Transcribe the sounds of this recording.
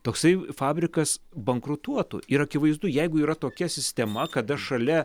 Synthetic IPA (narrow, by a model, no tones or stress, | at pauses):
t̪oːksɐɪfɑːbʲɾʲɪkɐsbɐŋkɾʊt̪uɔt̪ʊ̰ɪɾɐkʲɪʋɐɪzd̪ʊjɛɪɡʊiːɾɐt̪oːkʲɛsʲɪsʲt̪ʲɛmɐkɐd̪ɐʃɐlʲɛ